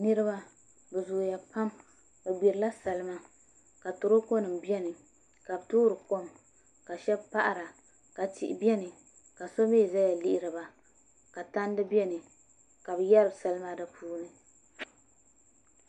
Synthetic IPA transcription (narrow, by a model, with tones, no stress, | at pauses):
nɨ˦ɾɨ˦ba˦ | bɛ˨zʊ˨ja˨pa˦m | bɛ˨ɡ͡bi˨ɾɨ˨la˦sa˨lɨ˦ma˦ | ka˨to˨ɾo˦ko˦nɨ˨mbi˦ɛ˦nɨ˨ | ka˨bɨ˨tuː˦ɾɨ˨ko˦m | ka˨ʃɛ˦bpa˦ʔa˨ɾa˨ | ka˨ti˨ʔɪ˨bɛ˦nɨ˨ | ka˨so˦meː˦˨za˦ja˨li˦ʔɪ˦ɾɨ˨ba˨ | ka˨ta˦n˦dɨ˦bɛ˦nɨ˨ | ka˨bɨ˨jɛ˦ɾɨ˨bsa˦lɨ˦ma˦dɨ˦pʰuː˦nɨ˨